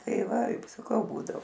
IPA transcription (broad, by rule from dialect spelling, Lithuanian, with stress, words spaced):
ˈtɐɪ ˈʋɐ ɪp sɐˈkɐʊ ˈbuːdoː